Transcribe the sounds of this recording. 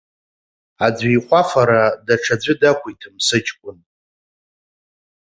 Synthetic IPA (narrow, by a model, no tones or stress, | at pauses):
ad͡zʷijχʷafaɾadaʈ͡ʂʰad͡zʷɪdakʷʰuitʰɨmsɨt͡ʃʰʼkʷʼʊn